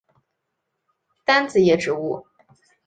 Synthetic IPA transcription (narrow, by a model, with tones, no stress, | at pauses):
t̪a˥nt͡sɹ̩˨˩jɛ˨˩ʈ͡ʂɻ̩˨˧˥u˥˩